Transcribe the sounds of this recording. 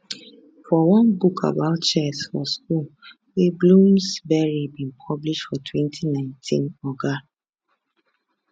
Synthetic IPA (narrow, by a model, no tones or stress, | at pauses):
fɔwɔ̃nbukʰa̰baʊtt͡ʃɛsfɔsk̚ul | weblũmsbɛɹibĩnpʰɔbliʃtfɔtʰwɛ̃ntʰinãɪ̃ntʰḭ̃nɔɡa